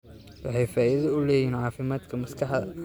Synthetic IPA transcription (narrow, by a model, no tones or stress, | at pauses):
wɑħɑjfaːʔɪðɐʊlɛːjiːnʕɑːfɪmaːd̪kʰɐmɐskʰɐħɐ